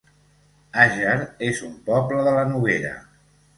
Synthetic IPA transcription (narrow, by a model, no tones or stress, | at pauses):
aʒəɾezumpɔbləðələnuβ̞eɾə̰